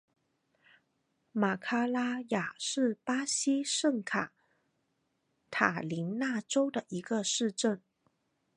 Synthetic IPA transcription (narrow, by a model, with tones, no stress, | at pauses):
ma˨˩kʰa˥la˥ja˨˩ʂɻ̩˥˩pa˥ɕi˥ʂə˥˩ŋkʰa˨˩˦ | t̪ʰa̰˨˩li˧˥nna˥˩ʈ͡ʂo˥ʊd̪ə˨ʔi˧˥ɡə˧ʂɻ̩˥˧ʈ͡ʂə˥˩n